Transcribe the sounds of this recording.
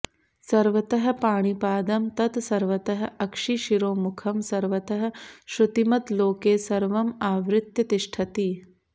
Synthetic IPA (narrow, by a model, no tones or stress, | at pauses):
sɐɾʋɐt̪ɐɦɐ̆paːɳ̃ipaːd̪ɐmt̪ɐt̪sɐɾʋɐt̪ɐɦɐ̆ɐkʂiʃiɾoːmukʰɐmsɐɾʋɐt̪ɐɦɐ̆ʃɾut̪imɐt̪loːkeːsɐɾʋɐmaːʋɾɪt̪jɐt̪iʃʈʰɐt̪iː